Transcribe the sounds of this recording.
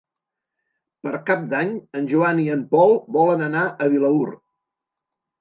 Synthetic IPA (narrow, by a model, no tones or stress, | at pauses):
pəɾkap̚d̪aɲənʲʒuaniəmpɔlˠbɔlənənaʔəβiləur